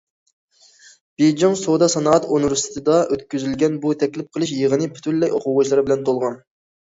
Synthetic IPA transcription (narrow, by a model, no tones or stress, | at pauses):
b̥ed͡ʒoŋsod̪ɑsɑnɑɑt̪onɾust̪t̪ʰɨd̪ɑʔøt̪kʲyzylɡʲɛnbut̪ʰɛkʲlɪp̚qʰəlˠɨʃ̬jəʁənɨpʰy̥t̪ʰynlːɛjoquwʁʊʃlˠɑɾɨbɪlɛnt̪ʰolˠʁɑn